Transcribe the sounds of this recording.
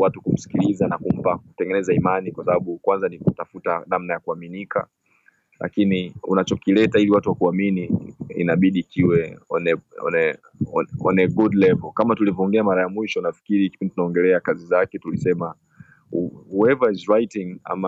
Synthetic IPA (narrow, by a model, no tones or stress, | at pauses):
watukum̩si̥kilizanakum̩pakutɛŋɡɛnɛzaimanikwasaɓaɓukwanzanikutafutanamnajakuaminikʰa̰ | lʔa̰kiniunat͡ʃɔkilɛtailiwatuwakuaminiḭnaɓiɗiːkʰiwɛɔ̰nɛɔ̰nɛ | ɔɔ̰nɛɡudlɛvɔkamatulivɔŋɡɛamaɾajamwiʃɔnafi̥kiɾikipɛnditunaɔŋɡɛlɛakazizakɛtulisɛma | uɛvaizɹajitiŋa̰ma